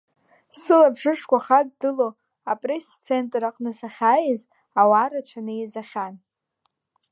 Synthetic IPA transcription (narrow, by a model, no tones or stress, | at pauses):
sɨlabʐɨʂkʷaχadːɨlo | apʼre̞st͡sʰe̞ntʼraqʼnɨsaχʲaːjɪz | awaɾat͡ɕʷʰanɨizaχʲan